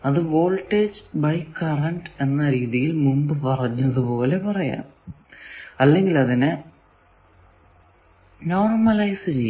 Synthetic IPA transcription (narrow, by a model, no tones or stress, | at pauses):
ɐðɨʋo̞ːlʈːeːd͡ʑbɐjkːɐrɐɳɖe̞nːɐɾiːðijilmumbɨpɐrɐɲːɐðupo̞ːle̞pɐrɐja̰ːn | ɐlːe̞ŋɡilɐðinɨ | no̞ːrmɐlɐjsɨt͡ɕej